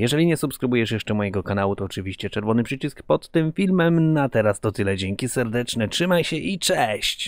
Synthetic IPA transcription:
jɛʐɛlʲiɲɛsupskɾɘbujɛʂjɛʂt͡ʂɛmɔjɛɡɔkanawut̪ɔːt͡ʂɘvʲiɕt͡ɕɛt͡ʂɛɾvɔnɘpʂɘt͡ɕiskpɔt̪ːɘmfʲilmɛmnat̪ɛɾast̪ɔt̪ɘlɛd͡ʑɛŋkʲisɛɾd̪ɛt͡ʂnɛtʂɘmajɕɛʔit͡ʂɛɕt͡ɕ

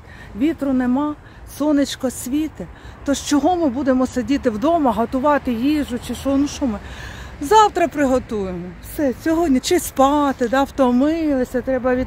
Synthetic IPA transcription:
ʋʲit̪ɾʊnemɑ | sɔnɪt͡ʃkɔsʲʋʲit̪ɪ | t̪ɔʃt͡ʃɔɦɔmɪbud̪emɔsedʲit̪ɪwd̪ɔmɐɦɐt̪ʊʋɑt̪ɪjiʒʊt͡ʃɪʃɔnuʃɔmɪzɑwt̪ɾɐpɾɪɦɔt̪ujemɔwsɛsʲɔɦɔdʲnʲit͡ʃɪspɑt̪ɪd̪ɑwt̪ɔmɪlˠɪsʲɐt̪ɾɛbɐʋʲi

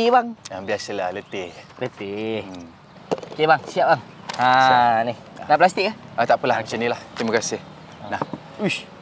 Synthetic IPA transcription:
ibaŋabiasəlalət̪elət̪e | kebaŋsiaʔ̚baŋanihnaplas̬t̪iʔaət̪aʔpəlaɦaŋt͡ʃənilaht̪imakasɪh | nah | u

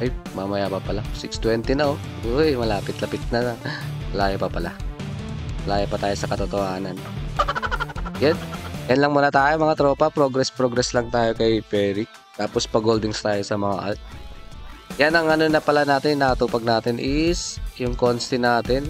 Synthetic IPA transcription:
ʔɐjmamɐjapɐpɐlasɪkst̪wɛnt̪ɛnɐo | omɐlaːpɪt̪lɐpɪt̪̚nɐnmɐlaːjapɐpɐla | mɐlaːjapɐt̪aːjo̞sɐkɐt̪ot̪ohaːnɐn | janjɐnlɐŋmuːnɐt̪aːjomɐŋat̪ɾo̞ːpɐpɾo̞ɡɾɛspɾoɡɾɛslɐŋt̪aːjo̞kɐjpɛːɾɪk̚ | t̪aːpospɐɡold̪ɪŋst̪aːjo̞sɐmɐŋa̰ʔɐ̰ | janɐŋʔɐnonɐpɐlanaːt̪ɪnːɐkɐt̪uːpɐɡ̚naːt̪ɪnʔɪsjʊŋkonst̪ɪnaːt̪ɪn

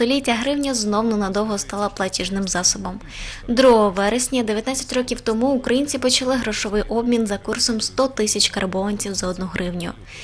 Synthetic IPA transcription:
t̪ɔlʲitʲːɐɦɾɪwnʲɐznɔwnɔnɐd̪ɔwɦɔst̪ɑlˠɐplˠɐtʲiʒnɪmzɑsɔbɔm | d̪ɾuɦɔʋɛɾesʲnʲɐd̪eʋʲjɐt̪nat͡sʲːɐtʲrɔkʲiwt̪ɔmuukɾɐjinʲt͡sʲipɔt͡ʃɐlˠɪɦɾɔʃɔʋɪjʔɔbmʲinzɐkursɔmst̪ɔt̪ɪsʲɐt͡ʃʲkɐrbɔʋɐnʲt͡sʲiwzɐɔd̪nuɦɾɪwnʲʊ̰

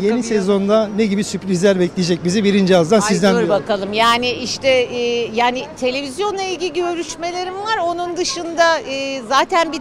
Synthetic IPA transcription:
jenisezo̞nd̪aneɟibisypɾizlʲæɾbɛclʲid͡ʒɛc̚bizibiɾind͡ʒiazd̪ansizd̪ænɾjbakalˠɯmjaːnɪʔiʃt̪ʰɛːjaːnɪt̪ʰe̞lʲe̞vʲizjo̞nlˠailʲɟilʲiiø̞ɾyʃme̞lʲe̞ɾimvaɾo̞nund̪ɯʃɯnd̪aɯːzaːt̪ʰænbi

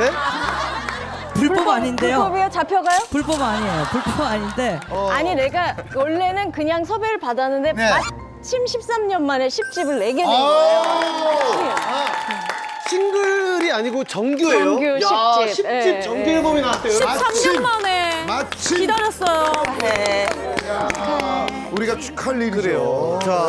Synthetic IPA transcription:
e | puɭpup͈ʌpbaɲindejoʌbejot͡ɕapʰjʌɡajopuɭp͈ʌbaɲiejopuɭp͈ʌbaɲinde̞aɲine̞ɡawʌɭːe̞nɯnkɯɲaŋsʰʌbeɾɯɭpadanːɯnde̞ma | t͡ɕʰimɕʰip̚s͈amɲʌnmane̞ɕʰip̚t͡ɕ͈ibɯɭːe̞ɡeneno | io | ɕʰinɡɯɭɾiaɲiɡot͡ɕʌŋɡjuʌŋɡjoit͡ɕ͈iɕʰieit͡ɕʌŋɡuebominatʰeois͈amɲʌnmanemat͡ɕʰiidʌɾjʌs͈ʌjoe | uɾiɡat͡ɕʰu̥kʰaɭːidɯɾe̞jot͡ɕa

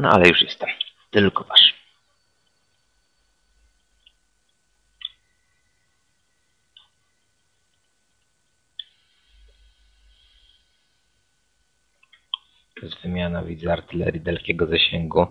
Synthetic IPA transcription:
na̰ʔa̰lɛjuʂjɛst̪ɛmt̪ɘlkɔvaʂ | pɛzvɘmʲjanavʲid̪zɛaɾt̪ɘlɛ̰ɾʲjid̪ɛlkʲɛɡɔzaɕɛŋɡu

